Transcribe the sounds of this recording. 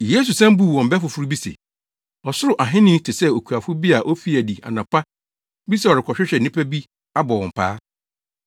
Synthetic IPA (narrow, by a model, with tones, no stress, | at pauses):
jeː˦s̬u˨sɛ̃˦m̩˦bu˦˨wɔ̃˨m̩˨bɛ˦fʊ˨fʊ˦ɾu˦bi˦sḛ˨ | ɔ˨sʊ˦ɾʊ˨ʔa˨ɦɪ̃˦nɪ̃˦n˦tʰɪ˨sɛ˦o˨kʰu˨a˨fʊ˦bi˦a˨ʔo˦fi˦æ˨di˨a̰˨nã˨pʰa˦ | bi˦sɛ˦ɔ˨ɾɪ˨kʰɔ˨ɕᶣɪ˦ɕᶣɛ˨nĩ˦pʰæ˦bi˦ | a˦bɔ˨wɔ̃˨m̩˨pʰa̰ː˦